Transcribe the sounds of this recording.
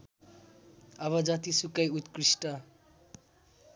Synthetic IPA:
ʌβʌd͡zʌt̪isukːʌjut̪krisʈʌ

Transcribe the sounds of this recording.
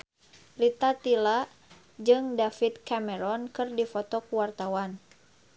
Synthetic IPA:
rit̪at̪ila | d͡ʒɨŋdafit̪̚kamɛɾɔnkɨrdifɔt̪ɔkuwart̪awan

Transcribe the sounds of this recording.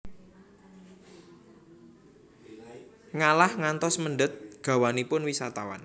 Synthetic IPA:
ŋalahŋant̪ɔsmənɖət̪̚ɡ̥a̤wanipʊnwisat̪awa̰n

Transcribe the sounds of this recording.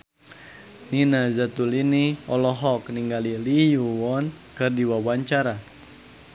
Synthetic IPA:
ninazat̪uliniɔlɔɦɔkniŋɡalilijuwɔn | kɨrdiwawaɲt͡ʃaɾa

